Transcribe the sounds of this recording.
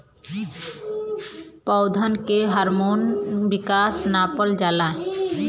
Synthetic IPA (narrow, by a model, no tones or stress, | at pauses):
pɔwd̪ʱankeɦaɾmonbikasnapold͡ʑalae